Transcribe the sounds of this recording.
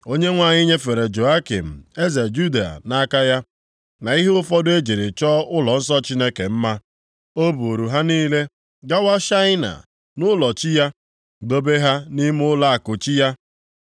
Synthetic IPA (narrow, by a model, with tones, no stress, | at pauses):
o˦ɲe˦ŋʷa˨ɲɪ˦ɲe˦fe˨ɾe˨d͡ʒo˨a˦kḭ˨m̩˨e˦ze˨d͡ʒu˦da˨a̰˨na˦ka˦ja˦ | na˨i˦ɦe˦ʊ˦fɔ˦dʊ˦e˦d͡ʒi˨ɾi˨t͡ʃɔː˦ʔʊ˦lɔ˨n̩˦s̬ɔ˦t͡ʃi˦ne˦ke˨m̩˦ma˦ | o˦bu˨o˨ɾu˨ɦa˦niː˦le˦ | ɡa˦wa˦ʃa˦ɪ˦na̰˨ | nʊ˦lɔ˨t͡ʃi˦ja˦ | ɡ͡bo˦be˦ɦa˦ni˦m˦ʊ˦la˦a˨kʊ˨t͡ʃi˦ja˦